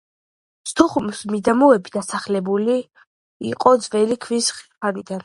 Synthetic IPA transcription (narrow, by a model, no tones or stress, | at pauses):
st̪ʰuχumsmid̪amuɛbid̪asaχlɛbuli | ḭqʼɔd̪zvɛlikʰvisχi̥pʰanid̪an